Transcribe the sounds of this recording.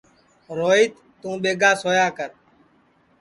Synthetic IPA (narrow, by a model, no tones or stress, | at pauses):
ɾoːiːt̪ːũːɓeːɡaːsoːjaːkəɾ